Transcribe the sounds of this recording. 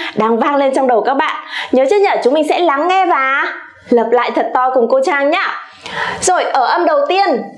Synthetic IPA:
ɗaː˧ŋvaː˧ŋle˧nt͡ɕɔ˧wŋ͡mɗə˨˩wkaː˦˥k̚ɓa̰ː˧˨nɲəː˨˦t͡ɕɨː˦˥ɲəː˧˨˩t͡ɕʊ˨˦ŋ͡mmï˨˩ŋ̟sɛ̰˧˥la˨˦ŋːɛ˧vaː˨˩ | ləː˨˩p̚la̰ː˧˨jt̪ʰə˨˩t̚t̪ɔ˧jkʊ˨˩ŋ͡mko˧t͡ɕaː˧ŋɲaː˨˧˥ | zo˨˩jʔəː˧˩ʔə˧mɗə˨˩wt̪i˧ən

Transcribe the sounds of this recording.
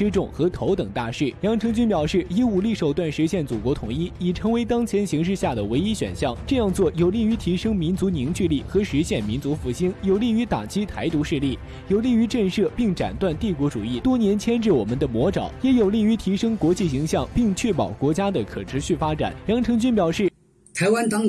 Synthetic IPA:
ɻ̩˥ʈ͡ʂʊ˥˩ŋxɤ˧˥t̪ʰo˧˥ʊt̪ɤ˨˩ŋt̪a˥˧ʂɻ̩˥˩jɑ˧˥ŋʈ͡ʂʰɤ˧˥ŋt͡ɕy˥npjɑ˨˩ʊʂɻ̩˥˩i˥u˥˩li˥˩ʂo˨˩ʊt̪wa˥˩nʂɻ̩˧˥ɕjɛ˥˩nt͡su˨˩kwɔ˧˥t̪ʰʊ˨˩ŋi˥i˨˩ʈ͡ʂʰɤ˧˥ŋwe˧˥ɪt̪ɑ˥ŋt͡ɕʰjɛ˧˥nɕi˧˥ŋʂ̬ɻ̩˥˧ɕja˥˩d̪ə˩we˧˥ɪi˥ɕɥɛ̰˨˩nɕjɑ˥˩ŋʈ͡ʂɤ˥˧jɑ˥˧ŋt͡swɔ˥˩jo˨˩ʊli˥˩y˧˥t̪ʰi˧˥ʂɤ˥ŋmi˧˥nt͡su˧˥ni˧˥nt͡ɕy˥˧li˥˩xɤ˧˥ʂɻ̩˧˥ɕjɛ˥˩nmi˧˥nt͡su˧˥fu˧˥ɕi˥njo˨˩ʊli˥˩y˧˥t̪a̰˨˩t͡ɕi˥t̪ʰa˧˥ɪt̪u˧˥ʂɻ̩˥˧li˥˩ | jo˨˩ʊli˥˩y˧˥ʈ͡ʂə˥˧ʂɤ˥˧pi˥˩ŋʈ͡ʂa̰˨˩nt̪wa˥˧nt̪i˥˩kwɔ˧˥ʈ͡ʂu˨˩i˥˩t̪wɔ˥njɛ˧˥nt͡ɕʰjɛ˥nʈ͡ʂɻ̩˥˩wɔ˨˩mə˦nd̪ə˨mwɔ˧˥ʈ͡ʂɑ˨˩˦ʊjɛ˧˥jo˨˩ʊli˥˩y˧˥t̪ʰi˧˥ʂɤ˥ŋkwɔ˧˥t͡ɕi˥˩ɕi˧˥ŋɕjɑ˥˩ŋpi˥˧ŋt͡ɕʰɥɛ˥˩pɑ˨˩ʊkwɔ˧˥t͡ɕja˥d̪ə˨kʰɤ˨˩ʈ͡ʂʰɻ̩˧˥ɕy˥˩fa˥ʈ͡ʂa̰˨˩˦njɑ˧˥ŋʈ͡ʂʰɤ˧˥ŋt͡ɕy˥npjɑ˨˩ʊʂɻ̩˥˩ | t̪ʰa˧˥ɪwa˥nt̪ɑ˥ŋ

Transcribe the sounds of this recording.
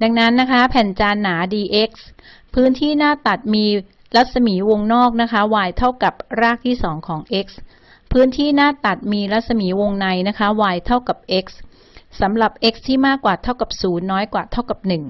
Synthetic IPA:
da˧ŋna˦˥nːa˦˥kʰa˦˥pʰɛː˨˩nt͡ɕaː˧nːaː˩˦diː˧ʔe˦˥k̚s | pʰɯː˦˥nt̪ʰiː˥˩naː˥˩t̪a˨˩t̪̚miː˧ | ɾa˦˥t̪̚sa˧miː˩˦wo˧ŋnɔː˥˩k̚na˦˥kʰa˦˥waː˧jt̪ʰa˥˩wka˨˩p̚ɾaː˥˩k̚t̪ʰiː˥˩sɔː˩˦ŋkʰɔː˩˦ŋʔe˦˥k̚s | pʰɯː˦˥nt̪ʰiː˥˩naː˥˩t̪a˨˩t̪̚miː˧ɾa˦˥t̪̚sa˧miː˩˦wo˧ŋna˧jna˦˥kʰa˦˥waː˧jt̪ʰa˥˩wka˨˩p̚ʔe˦˥k̚s | sa˩˦mɾa˨˩p̚ʔe˦˥k̚st̪ʰiː˥˩maː˥˩kːwaː˨˩t̪ʰa˥˩wka˨˩p̚suː˩˦nːɔː˦˥jkwaː˨˩t̪ʰa˥˩wka˨˩p̚nɯ˨˩ŋ

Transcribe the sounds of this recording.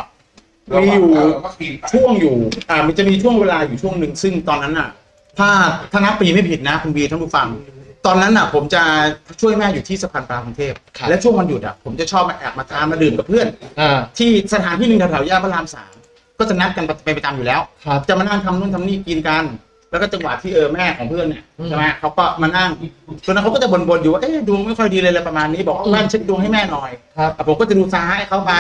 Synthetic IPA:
miː˧juː˨˩t͡ɕʰu˥˩əŋjuː˨˩ʔaː˨˩m˧nt͡ɕa˨˩miː˧t͡ɕʰu˥˩əŋweː˧laː˧juː˨˩t͡ɕʰu˥˩əŋnɯ˨˩ŋsɯ˥˩ŋt̪ɔː˧nːa˦˥nʔa˨˩ | t̪ʰaː˥˩t̪ʰaː˥˩na˦˥p̚pːiː˨˩ma˥˩pʰi˨˩t̪̚na˦˥kʰu˧nbiː˧t̪ʰa˥˩pʰu˧˥˩fa˧ŋt̪ɔː˧nːa˦˥nʔa˨˩pʰo˩˦mt͡ɕa˨˩t͡ɕʰu˥˩əjmɛː˥˩juː˨˩t̪ʰiː˥˩sa˧pʰaː˧npaː˧kʰu˧ŋt̪ʰeː˥˩p̚lɛ˦˥wt͡ɕʰu˥˩əŋwa˧nju˨˩a̰˨˩pʰo˩˦mt͡ɕa˨˩t͡ɕʰɔː˥˩p̚ma˧˩ʔɛː˨˩p̚maː˧t̪ʰaː˧nmaː˧dɯː˨˩mka˨˩pʰɯ˥˩ən˧t̪ʰiː˥˩sa˧t̪ʰaː˨˦nt̪ʰiː˥˨nɯ˨˧ŋda˧˩t̪ʰa˩˦wjaː˥˩pʰaː˥˩laː˧msa̰ː˩˦ŋ | kɔː˥˩t͡ɕa˨˩na˦˥t̚ka˧npa˧pa˧jpa˧tt͡ɕaː˧mjuː˨˩lɛː˦˥wʰt͡ɕa˨˩maː˧na˥˩ŋt̪ʰa˧mnu˥˩ənt̪ʰa˧niː˥˩ki˧nka˧n | lɛ˦˥wkɔ˥˩t͡ɕa˧ŋwa̰ː˨˩t̪ʰiː˥˩ʔɤː˧mɛː˥˩kʰɔː˩˦ŋpʰɯ˥˩ənːi˧˩t͡ɕʰɛː˧˩ma˦˥˩kʰa˦˥wkɔː˥˩maː˧na˥˩ŋsʰo˧n˦˥kʰa˦˥kːt͡ɕa˨˩bo˧nbo˧njuː˨˩waː˥˩ʔeː˥˩du˧əŋma˥˩jkʰɔ˥˩jdiː˧lɤː˧lɤː˧jpɾa˧maː˧nːiː˦˥bɔː˨˩k̚waː˧˥˩mɛː˥˩nt͡ɕʰe˦˥t̪̚du˧əŋha˥˩jmɛː˥˩nɔː˧jt̪ɛː˨˩pʰo˩˦kɔː˥˩t͡ɕa˨˩duː˧saː˧ɦa˥˩jkʰa˦˥wpa˧

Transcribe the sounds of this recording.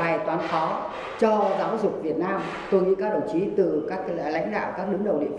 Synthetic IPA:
aː˨˩jt̪waː˨˦nfɔ˨˦ | t͡ɕɔ˧zaː˨˦wzʊ˨˩k͡p̚vi˨˩ət̚naː˧m | t̪o˧jŋḭ˧˥kaː˦˥k̚ɗə˧˩wt͡ɕi˨˦t̪ɨ˨˩kaː˦˥k̚la̰˧˥jŋ̟ɗa̰ː˧˨wkaː˦˥k̚ɗɨ˨˦ŋɗə˨˩wɗḭ˧˨ən

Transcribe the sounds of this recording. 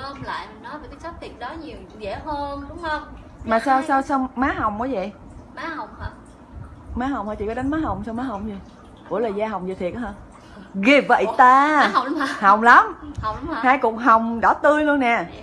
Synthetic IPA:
ə˧mla̰ː˧˨jmə˨˩ŋnɔ˨˦jvə˨˩t̪ə˨˦˥sa˦˥p̚t̪ʰi˨˩ət̚ɗɔ˨˦ɲi˨˩əw | zɛ˧˩həː˧nɗʊ˨˦ŋ͡mhə˧wŋ͡m | maː˨˩saː˧wsaː˧wsa˧wŋ͡mmaː˨˦ɦa˨˩wŋ͡mkɔː˨˦zə̰˧˨j | maː˨˦ha˨˩wŋ͡mhə˨˧˩ | maː˨˦ɦa˨˩wŋ͡mhɔ̰˧˩t͡ɕḭ˧˩kɔ˨˦ɗa˨˦jnmaː˨˦ɦa˨˩wŋ͡msa˧wŋ͡mmaː˨˦ɦa˨˩wŋ͡mzi˧˩ | kṵ˧˩˥əlaː˨˩jzaː˧ɦa˨˩wŋ͡mzəː˨˩t̪ʰi˨˩ət̚ːhə˧ | ɣi˨˧˩əp̚və̰˧˨t̪aː˧˨˦ha˨˩wŋ͡mla˨˦mhwŋ͡mhaː˧jkʊ̰˨˧˩ŋ͡mɦa˨˩wŋ͡mɗɔ˧˩t̪ɨ˧əjlu˧ənːɛ˨˩

